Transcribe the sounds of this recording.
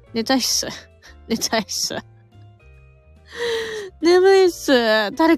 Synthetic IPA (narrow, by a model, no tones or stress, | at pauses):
net̪aisɨ | net̪ʰaisɨ̰ | nemɯisɨd̪aɾe